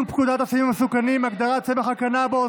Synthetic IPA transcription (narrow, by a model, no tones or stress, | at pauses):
npkud̪at̪asimamesukanimaɡd̪aʁat̪sevaχakanabeo